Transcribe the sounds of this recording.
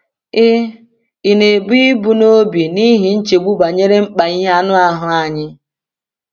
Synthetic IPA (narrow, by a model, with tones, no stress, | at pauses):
ɪ˦ | i˨ne˨bi˦i˦bu˨no˦bi˨ni˦ɦi˨n̩˦t͡ʃe˨ɡ͡bu˦ɡ͡ba˨ɲe˦ɾe˦ŋ͡m̩˦k͡pa˨i˦ɦa˦nʊ˦a˦ɦʊ˨a˨ɲɪ˦